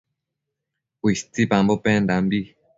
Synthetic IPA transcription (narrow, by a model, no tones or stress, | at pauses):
wist͡sipãmbopɛ̃nd̪ambi